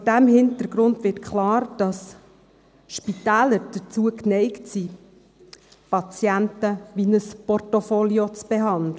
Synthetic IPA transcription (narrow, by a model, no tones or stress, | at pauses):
d̥æmhɪntəɾɡ̥ɾʊndʋɪtkʰlɑːɾd̥ɑs | ʃpitæːləɾd̥ət͡suəknɛɪktsi | pɑt͡sjæntəʋinəspɔrtofoliot͡sb̥eɦɑndlə